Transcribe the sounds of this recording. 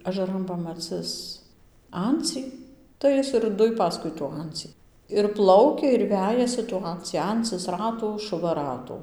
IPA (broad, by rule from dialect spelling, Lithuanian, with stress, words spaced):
ɐʒɐˈrɐn pɐmɐˈt͡sɨs ˈɐnʲt͡sʲiː tɐɪ ˈjɪs ɪr ˈdʊj ˈpɑːskʊɪ tuː ˈɐnʲt͡sʲiː ɪr ˈplˠɐʊkʲɛ ɪr ˈʋʲæːjɛsʲɪ tuː ˈɐnʲt͡sʲiː ˈɐnt͡sɨs ˈrɑːtuː ʃʊˈʋɐ ˈrɑːtuː